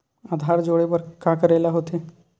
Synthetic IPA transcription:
aːd̪ʱaːɾd͡ʒoːɽepəɾkakəɾeːlaɦoːt̪eː

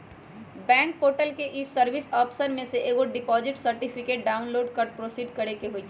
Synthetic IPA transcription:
bɛ̃ːŋk̚poːʈəlkeʔɪsːɐɾʋɪsɔːpsəɾmẽseʔeːɡoɖɪpɔːzɪʈsɐɾʈɪpʰɪkeːʈ̚ɖaːʊnloːɖkɐɾpɾoːsiːɖkɐɾekeɦoi

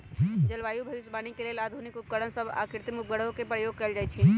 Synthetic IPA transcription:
d͡ʒɐlʋaːjubʱɐʋɪsbaːnikelielaːd̪ʱunikʊp̚kəɽənsəba̰ːkɪɾt̪imʊp̚ɡəɽɦõkepɾəjoːɡ̚kɛld͡ʒaːit͡ʃʰiː

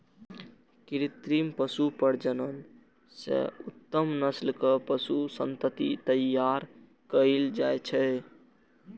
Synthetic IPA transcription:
kiɾit̪ɾimpəsupəɾd͡ʒənən | sḛut̪ːəmnəslkəpəsusənt̪ət̪it̪əjːaɾ | kəld͡ʒajt͡ʃʰɛ

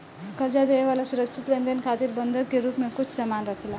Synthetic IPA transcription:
kʌɾd͡ʒad̪ejwalasuɾʌk̚t͡ʃʰit̪lend̪enkʰat̪irbʌnd̪ʱokːeɾupmakut͡sʰsamanrʌkʰela

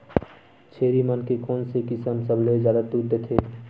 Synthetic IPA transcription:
t͡ʃʰeːɾimənkekɔːnsekɪsəmsəblezjaːd̪at̪uɾd̪et̪ʰeː

